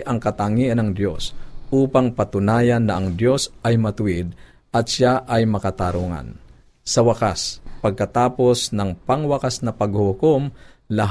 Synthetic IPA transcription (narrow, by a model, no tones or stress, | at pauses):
ʔɐŋkɐt̪aŋiːʔɐnɐŋd̪jo̞sʔuːpɐŋpɐt̪ʊnaːjɐnːɐʔɐŋd̪jo̞sɐjmɐt̪ʊwɪd̪̚ | ʔɐt̪ʃaʔɐjmɐkɐt̪aɾuŋa̰n | sɐwɐkaspɐɡ̚kɐt̪aːpo̞snɐŋpɐŋwɐkasnɐpɐɡhʊkom | lɐɦ